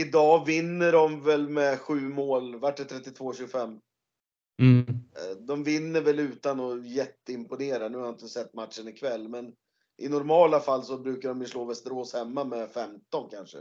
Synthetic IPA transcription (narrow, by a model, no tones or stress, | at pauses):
ɪd̪ɑːvɪnːəɖɔmvɛlmɛɧʉ̟ːmoːlvæʈːɛt̪ʰɾɛt̪ːɪt̪ʰvoːɕʉɡʊfɛmː | d̪ɔmvɪnːəvɛlʉ̟ːt̪anɔjɛt̪ːəɪmpʊneːɾanʉ̟ːhaɪnt̪əsɛt̪ːmat̪ʂənɪkʰvɛlːmɛn | ʔɪnɔɾmɑːlafalːsɔbɾʉ̟ːkaɖɔmjɪʂɭoːvɛst̪əɾoːshɛmːamɛfɛmt̪ɔnkʰanʂə̰